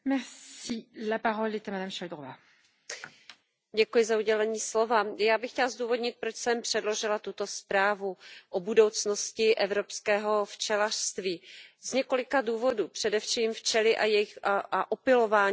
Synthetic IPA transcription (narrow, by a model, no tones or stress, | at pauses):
mɛʁsilapaʁɔlɛt̪amad̪amʃald̪ʁɔva | ɟɛkujɪzauɟɛlɛɲiːslo̞vajaːbɪxcɛlazduːvo̞dɲɪt̪̚pɾo̞t͡ʃsɛmpr̝̥ɛdlo̞ʒɪlat̪ut̪o̞spɾaːvuʔobudo̞wt͡sno̞scɪʔɛvɾo̞pskɛːɦo̞ft͡ʃɛlar̥st̪viːzɲɛko̞lɪkaduːvo̞duːpr̝̥ɛdɛfʃiːmft͡ʃɛlɪʔajɛjɪxʔaʔopɪlo̞vaː